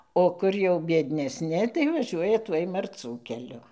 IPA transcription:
oː ˈkʊr jɛʊ bʲiɛdʲnʲɛsʲˈnʲɪ tɐɪ ʋɐˈʒʲuɔjɛ ˈtuɔj mɐrˈt͡suː kʲɛˈlʲʊ

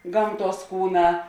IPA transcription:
ˈɡɐmˌtuɔs ˈkuːˌnɑː

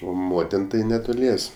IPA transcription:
oː ˈmoːtʲɪn ˈtɐɪ nʲɛˈtʊlʲiɛsʲ

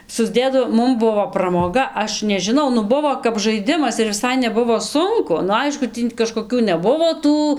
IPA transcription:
sʊzʲˈdʲeːdɐʋoːm ˈmʊm ˈbʊʋoː ˈprɑːmoːɡɐ ˈɐʃ nʲɛʒʲɪˈnɐʊ ˈnʊ ˈbʊʋoː kɐp ʒɐɪˈdʲɪmɐs ɪr ʋʲɪˈsɐɪ nʲɛˈbʊʋoː ˈsʊŋkʊ nʊ ˈɐɪʃkʊ ˈtʲiː kɐʃkoːˈkʲuː nʲɛˈbʊʋoː ˈtuː

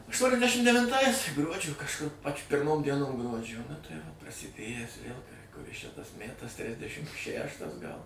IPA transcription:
ɐʃtuɔnʲɛzʲˈdʲæːʃʲɪm dʲɛʋʲɪnˈtɐɪs ˈɡruɔd͡ʒʲoː kɐʃˈkʊr pɐt͡ʃʲ pʲɪrˈmoːm dʲiɛˈnoːm ˈɡruɔd͡ʒʲoː nʊ tɐɪ ˈʋoː prɐsʲɪˈdʲeːjæːs ʋʲeːlˠ kʊˈrʲɪs t͡ʃʲɛ tɐs ˈmʲætɐs ˈtʲrʲɪzʲdʲɛʃʲɪm ˈʃʲæʃtɐs ɡɐlˠ

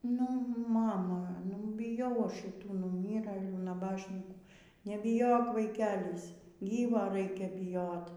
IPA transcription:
nʊ ˈmɑːmɐ nʊ bʲɪˈjɛʊ ˈɐʃ ʃʲɪˈtuː nʊˈmʲiːrɘlʲuː nɐˈbɑːʃʲnʲiːkuː nʲɛbʲɪˈjoːk ʋɐɪˈkʲæːlʲɪs ˈɡʲiːʋoː ˈrɐɪkʲɛ bʲɪˈjoːt

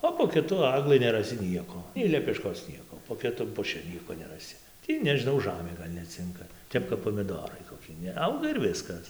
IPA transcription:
oː poː kʲɪˈtʊ ˈɑːɡlˠɨ nʲɛrɐˈsʲɪ ˈnʲiɛkoː nʲɛɪ lʲɛpʲɛˈʃkoːs ˈnʲiɛkoː poː kʲɪˈtʊm pʊˈʃʲɪ ˈnʲiɛkoː nʲɛrɐˈsʲɪ ˈtʲiː nʲɛʒʲɪˈnɐʊ ˈʒɑːmʲeː ˈɡɐlʲ nʲɛˈt͡sʲɪŋkɐ ˈtʲɛp kɐp poːmʲɪˈdoːrɐɪ koːˈkʲɪ nʲɛˈɐʊɡɐ ɪr ˈʋʲɪskɐs

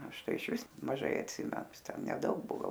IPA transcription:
ˈɐʃ ˈtɐɪ ɪʃʲˈʋʲɪs mɐˈʒɐɪ ɐtʲˈsʲɪmʲɛ ˈjɪs nʲɛˈdɐʊk ˈbuɔ ˈɡɐlˠ

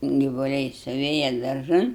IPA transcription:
ɡʲɪʋʊˈlʲɛɪ sʊˈʋʲeːjɛ dɐrˈʒɐn

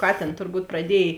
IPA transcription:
ˈkɑːtʲeːn tʊrˈbuːt prɐˈdʲiɛj

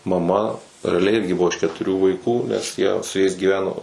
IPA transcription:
mɐˈmɐ rʲɛɐˈlʲɛɪ ˈɪrʲɡʲɪ ˈbʊʋoː ɪʃ kʲɛtʊˈrʲuː ʋɐɪkuː nʲɛs ˈjiɛ sʊ ˈjɛɪs ɡʲiːˈʋʲæːnoː

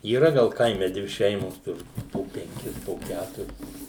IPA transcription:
iːˈrɐ ˈɡɐlˠ ˈkɐɪmʲɛ ˈdʲʋʲɪ ˈʃʲɛɪmoːs ˈtʊr poː pʲɛŋʲˈkʲɪs poː ˈkʲætʊrʲɪs

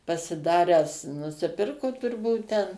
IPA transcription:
pɐsʲɪˈdɑːrʲæːs nʊsʲɪˈpʲɪrkʊ tʊrˈbuːt tʲɛn

